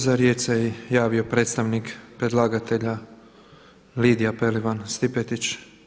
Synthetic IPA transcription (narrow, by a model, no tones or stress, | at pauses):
zaɾjet̪sejejaːʋio̞pɾe̞ːt̪st̪aʋnikpɾed̪lˠaːɡat̪e̞ʎa | liːd̪ijapeliʋanst̪ipet̪it͡ʃ